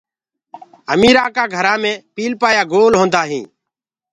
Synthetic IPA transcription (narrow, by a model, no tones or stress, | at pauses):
əmiːɾãːkaːɡʱəɾaːmẽːpiːlpaːjaːɡoːlɦõːnd̪aːɦĩː